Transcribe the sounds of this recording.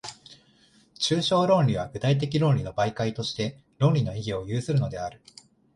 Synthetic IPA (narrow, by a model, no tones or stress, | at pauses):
t͡ɕɨːɕo̞ːɾõ̞nɾʲiβ̞aɡɯ̟t̪ait̪̬e̞k̬ʲiɾõ̞nɾʲino̞baikait̪o̞ɕi̥t̪e̞ | ɾõ̞ɾʲino̞iɡʲio̞jɯ̟ːsɨɾɯ̟no̞d̪e̞aɾɯ̟